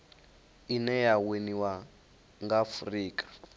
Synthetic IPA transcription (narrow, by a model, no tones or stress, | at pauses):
inɛjaweniwa | ŋɡafriːkʼḁ